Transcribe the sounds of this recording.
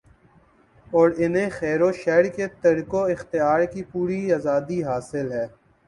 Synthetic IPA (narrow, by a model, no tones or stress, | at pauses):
ɔːɾɪnɦẽxɛːɾoʃɛːɾket̪ɐɾkoɪxt̪ɪjaːɾkipuːɾiaːzaːd̪iɦaːsɪlɦɛː